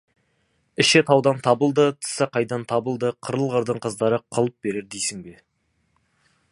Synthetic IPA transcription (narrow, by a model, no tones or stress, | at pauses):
ɪʃet̪ʰɑwd̪ɑnt̪ʰɑbəlˠd̪ət̪ʰə̥sɑqʰɑjd̪ɑnt̪ʰɑbəlˠd̪əqʰəɾəlˠʁəɾd̪əɴqʰəzd̪ɑɾəqʰəlˠəp̚be̞ɾe̞ɾd̪ejsɪŋbe̞